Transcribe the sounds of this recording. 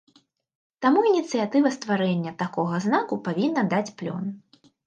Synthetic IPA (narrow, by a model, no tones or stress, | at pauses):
t̪amuinʲit̪sɨjat̪ɨvɐst̪vaɾɛnʲːɐt̪akɔɣɐznakupavʲinːɐd̪at͡sʲplʲɔ̰n